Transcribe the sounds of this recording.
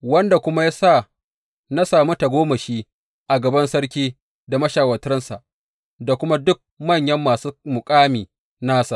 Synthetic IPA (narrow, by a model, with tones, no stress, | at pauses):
wɐ˦nda˨kʷʊ˦ma˦jaː˦sa˦˨ | na˦saː˨mu˦ta˨ɡʷoː˦mɐ˨ʃiː˦ | ʔa˨ɡɐ˨bɐ˦nsɐ˦ɽk̬ʲiː˦ | da˨mɐ˦ʃaː˨wɐ˨tɾɐ˦nsa̰˨ʔ | da˨kʷʊ˦ma˦dʊ˦k̚mɐ˦˨ɲjɐ˦mːaː˨suː˦mʊ˨kʼaː˦miː˨ | naː˦sa˨